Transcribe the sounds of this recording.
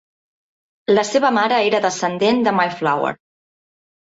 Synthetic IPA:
ləseβəmaɾəeɾəðəsənd̪end̪əmajflawə̰ɾ

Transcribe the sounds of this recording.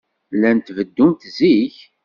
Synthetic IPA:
lːænt̪vəd̪ːunt̪ziç

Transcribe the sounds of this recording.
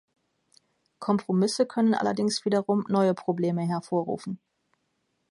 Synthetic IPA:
kʰɔmpʁ̥omɪsəkʰœnənʔa̰lɐ̰dɪŋsv̥iːdɐʁʊmnɔʏəpʁ̥obleːməɦɛɐfoːɐʁṵːfn̩

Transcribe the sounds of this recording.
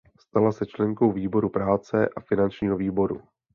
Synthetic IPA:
st̪alasɛt͡ʃlɛŋko̞wviːbo̞ɾupɾaːt͡sɛʔafɪnant͡ʃɲiːɦoviːbo̞ɾṵ

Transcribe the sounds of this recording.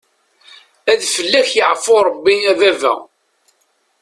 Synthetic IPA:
æðfəlːæçjəʕfoɾˤəbːiævævæ̰

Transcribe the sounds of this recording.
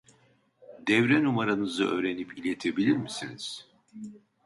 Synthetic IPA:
d̪ɛvɾɛnumaɾanɯzɯʔø̞̰ːɾe̞nipilʲe̞t̪ʰe̞bilʲiɾmisiniz̥

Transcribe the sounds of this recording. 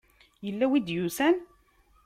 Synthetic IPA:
jəlːæwid̪jusæn

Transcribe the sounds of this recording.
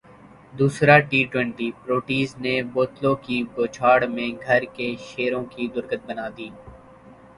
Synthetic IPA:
d̪uːsɾaʈiːʈwɛ̃ɳʈiːpɾoːʈiːzneboːt̪lõkiɡoːt͡ʃʰaːɽmẽɡʱɐɾkeʃeːɾõkid̪ʊɾkət̪̚bɐnaːd̪iː

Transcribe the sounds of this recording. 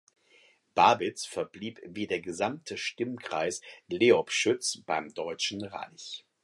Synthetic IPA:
b̥aːbɪt͡sfɛɐbliːpviːdeːɐɡəzamtʰəʃtɪmkʁ̥aɪsleːɔpʃʏt͡sb̥aɪmdɔʏt͡ʃn̩ʁa̰ɪç

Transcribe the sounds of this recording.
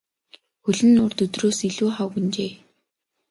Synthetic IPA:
xɵɮɘ̆nːʊːrt̪ɵt̪roːsiɮuːχawɣɵ̆nt͡ɕeː

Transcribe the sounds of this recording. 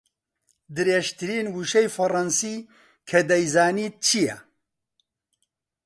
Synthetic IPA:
d̪ɨɾeːʃt̪ʰɨɾiːnwuʃɛjfɐrɐnsiː | kʰɐd̪ɐjzaːniːt̪̚t͡ʃʰijɛ̰

